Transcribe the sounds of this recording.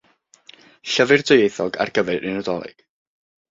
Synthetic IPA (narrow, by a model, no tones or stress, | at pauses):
ɬəvɨrdʊjejθɔɡa̰rɡəvɛɾʔɪnɔdɔlˠɪ̰ɡ̥